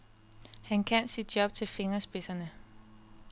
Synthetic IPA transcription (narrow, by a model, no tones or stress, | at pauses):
hænkʰæn̰sid̥̚jɒ̽b̥t͡sʰe̝lfe̝ŋɐsb̥e̝sɐnə